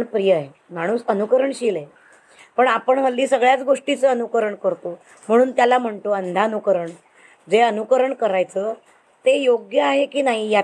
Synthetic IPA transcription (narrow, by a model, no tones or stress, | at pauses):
ɳpɾijəe | m̤aɽ̃uːsənukəɾəɳɕile | pəɳapəɳɦəlːiːsəɡɭjat͡sɡoʂʈit͡səənukəɾəɳkəɾt̪o | m̤əɽ̃uːnt̪jalam̤əɳt̪oənd̪ʱanukəɾəɳ | d͡zeənukəɾəɳkəɾajt͡sə | t̪ejoɡjəaɦekiːnaɦija